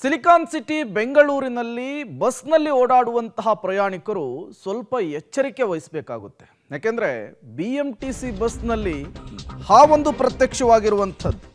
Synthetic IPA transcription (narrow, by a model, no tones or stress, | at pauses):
silikaːnsiʈibe̞ŋɡɐɭuːɾinɐlːibɐsnɐlːioːɽaːɽuʋɐnt̪ɐɦɐpɾɐjaːɳikɐɾusʋɐlpɐɛt͡ʃːɐɾike̞ʋɐjisbeːka̰ːɡut̪ːe̞̥ | jaːkend̪ɐɾe̞biemʈisibɐsnɐlːihaːʋo̞nd̪upɾɐt̪jɐkʂɐʋaːɡiɾuʋɐnt̪ʰɐd̪u